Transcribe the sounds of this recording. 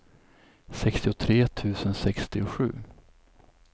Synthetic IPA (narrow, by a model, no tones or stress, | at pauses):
sɛkst̪ɪʊt̪ʰɾeːt̪ʰʉ̟ːsənsɛkst̪ɪʊɧʉ̟̰ː